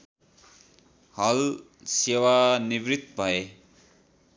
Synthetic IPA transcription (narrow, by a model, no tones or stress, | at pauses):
hʌl | sewanibrit̪bʱʌe